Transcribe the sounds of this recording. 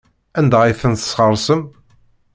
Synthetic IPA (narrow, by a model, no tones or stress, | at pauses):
ænd̪æiθənθə̥sʁəɾˤsəm